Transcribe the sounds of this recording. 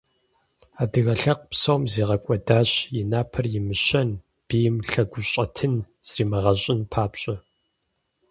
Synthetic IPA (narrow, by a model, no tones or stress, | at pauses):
aːdɨɣɐɬɐq̚psɐwmzeːʁɐkʷʼɔdaːɕjɪnaːpʰɐrjɪmɨɕɐn | b̥ijmɬɐɡʷʊɕʼɐtʰɨn | z̥riːmɐʁɐɕʼɪnpʰaːpɕʼɐ